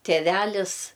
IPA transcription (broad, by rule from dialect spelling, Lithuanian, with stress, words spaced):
tʲeːˈʋʲælʲɪs